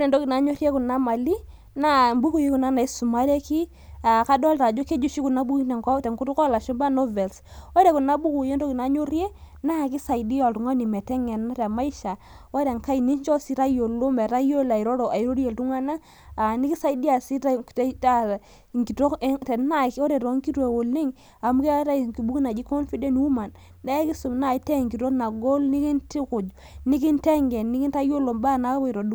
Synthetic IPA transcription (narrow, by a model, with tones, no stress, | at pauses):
ɔ˦ɾɛ˨ndɔ˦ki˨na˨˦ɲo˦ɾje˦ku˨na˦ma˨li˦ | na˦˨mbu˦ku˨ji˦ku˨na˦na˨i˦su˨ma˦ɾe˦ki˦ | a˨ka˦dɔ˦lta˨d͡ʒo˦ke˦d͡ʒu˦ʃi˦ku˨na˦bu˦knɛ˨ŋkwa˦tɛ˨ŋku˦tu˦kɔ˦˨la˨ʃo˦mba˦no˦vɛ˨lsɔ˦ɾe˨ku˨na˦bu˦ku˨je˦ndo˦ki˨na˨˦ɲo˦rje˦ | na˦˨ki˦sa˨i˨di˦jɔ˨ltu˨ŋa˦ni˨mɛ˨tɛ˦ŋɛ˨nna˦ɾa˨ma˦i˦ʃa˨ | wa˦ɾe˨ŋka˦i˨ni˦ɲ˦t͡ʃɔ˦si˦ɾa˦jo˨lo˦mɛ˨ta˦jo˦la˨i˨ɾɔ˦ɾo˨ʔa˨i˦ɾo˦ɾi˦e˨ltu˦ŋa˦na˦ | a˨ni˦ki˦sa˦i˦di˦a˨si˦ta˦˨tta˦˨ | ŋɡi˨to˦ktɛ˨na˦ki˦o˦ɾe˨ɾo˨˦ŋki˦ɾwe˨wo˨li˦ŋ | a˨mu˦ke˦ɾa˦˨ki˨bu˦kna˨d͡ʒi˦ko˦nfi˦dɛ˦n˦u˦ma˨n | dɛ˦ki˦su˨mna˦˨˦tɛ˦˨ŋɡi˨to˦na˨ɡo˦lni˦ki˦nti˦kʊ˨d͡ʒ | ni˦ki˦ntɛ˦ŋɡɛ˨nni˦ki˦nta˦jo˦lo˨mba˦˨na˨˦bɾo˨du˦